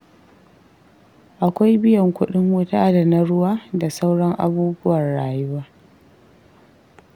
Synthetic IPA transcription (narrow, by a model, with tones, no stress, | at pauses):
ʔa˨kʷa˦jbɪ˦jɐ˨ŋkʷʊ˦ɗɪ˦ŋwʊ˦taː˦da˨na˦ɽʊ˦waː˦da˨sa˦wɽɐ˦ŋʔa̰˨buː˦bʊ˦wɐ˨nɽaː˨jɪ˦waː˦ʔ